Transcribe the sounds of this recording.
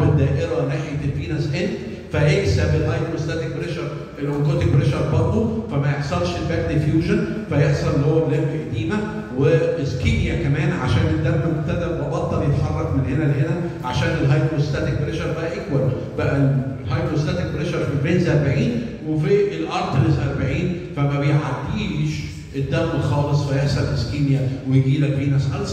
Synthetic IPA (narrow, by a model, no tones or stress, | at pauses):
bed̪æːʔeɾæneħjet̪elfiːnæsʔelf | fæʔeʔsæfilhɑjd̪ɾoest̪æt̪ek̚bɾeʃɑɾˤ | ʔelʔoŋkoːt̪ek̚bɾeʃɑɾˤbɑɾˤd̪ˤofæmæjeħsˤɑlʃelbæk̚t̪ifjuːʒon | fæjeħsˤɑnlːihowːællemʔæʔæd̪iːmæ | weskinjækæmæːnʕa̰ʃæːned̪ːæɾmæmoɡ̚t̪æd̪æɾmɑbɑt̪ˤːɑljet̪ħɑrˤːɑkmenhenælehenæ | ʕaʃæːnelɦɑjd̪ɾost̪æt̪ek̚bɾeʃɑɾˤbæʔæʔækwæl | b̥æʔælɦhɑjd̪ɾost̪æt̪ek̚bɾeʃɑɾˤfeɾenzʔɑɾˤbaʕiːn | wefielʔɑɾˤt̪ɾezʔɑɾˤbaʕiːn | fæmæbejʕad̪ːiːliʃ | ʔed̪ːæɾˤmxɑːlesˤwejeħsˤɑlleskiːnjæwejɡiːlækbiːnæsʔæls